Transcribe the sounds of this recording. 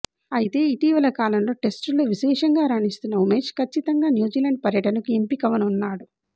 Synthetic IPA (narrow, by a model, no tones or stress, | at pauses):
ɐjit̪e̞ːit̪iːʋɐlɐkaːlɐmlo̞ːʈe̞sʈlo̞ːʋiʃɛːʂɐŋɡaːɾaːɳist̪unːɐumeːd͡ʒkʰɐt͡ʃːit̪ɐŋɡaːnjuːd͡ʒiːlɐɳɖ̚pɐɾjɐʈɐnɐkuempikɐʋɐnunːaːɽu